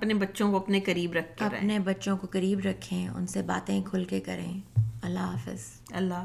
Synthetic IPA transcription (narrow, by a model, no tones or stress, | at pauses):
ɐpnebɐtːʃõkoɐpnekɐɾiːbɾɐkʰkɐɾpnebɐtːʃõkokɐɾiːbɾɐkʰːẽʊ̰nseba̰ːt̪ẽkʰʊlkekɐɾḛ̃ːɐlːaːfɪ̰z̥ | ɐlːa